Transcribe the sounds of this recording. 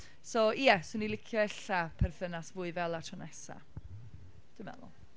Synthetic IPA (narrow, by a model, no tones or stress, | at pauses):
sojɛsʊnilˠɪkʰjɔɛɬapʰɛrθənasvʊːɨvɛlˠatʰɔnɛsa̰ | d̥ɪmɛ̰lˠʊ̰